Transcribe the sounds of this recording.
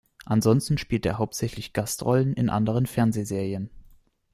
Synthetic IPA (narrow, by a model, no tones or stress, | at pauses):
ʔanzɔnstn̩ʃpiːltḛːɐɦaʊp̚tz̥ɛçlɪçɡ̥astʁɔlənɪ̰nʔa̰ndəʁ̞ənfɛɐnzeːzeːʁiən